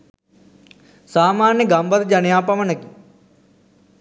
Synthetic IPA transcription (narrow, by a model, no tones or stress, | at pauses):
saːmaːnjəɡɐmbɐd̪ɐd͡ʒɐnjaːpɐʋɐnɐki